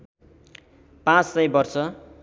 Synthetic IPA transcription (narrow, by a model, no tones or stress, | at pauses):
pãt͡ssʌjbʌrsʰʌ